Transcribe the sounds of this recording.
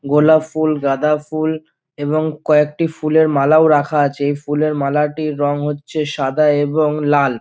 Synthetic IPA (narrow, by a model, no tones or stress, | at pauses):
ɡolafulɡad̪aful | eβoŋkɔek̚ʈifuleɾmalaoɾakʰaat͡ɕʰeejfuleɾmalaʈiɾɔŋɦotːɕʰeʃad̪ʱaeboŋlal